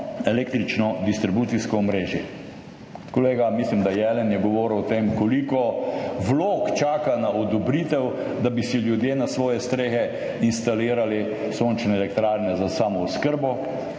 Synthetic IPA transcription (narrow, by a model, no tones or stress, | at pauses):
ɛleːk̚t̪ɾit͡ʃnɔd̪ist̪ɾibuːt̪siskɔːmɾeːʒjɛ | kɔleːɡamislimd̪ajɛlɛnjɛɡɔʋɔːɾwt̪emkɔlikɔʋloːkt͡ʃaːkanaɔd̪ɔbɾit̪ɛw | d̪abisiljud̪jeːnasʋɔːjɛst̪ɾeːxɛ | inst̪aliːɾali | sont͡ʃnɛɛlɛkt̪ɾaːɾnɛzasaːmɔuskəɾbɔ